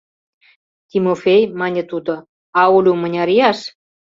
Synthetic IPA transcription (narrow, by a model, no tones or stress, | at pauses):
t̪ʲimofejmɑnʲĕt̪ud̪ŏ | ɑulʲumənʲɑɾijɑʃ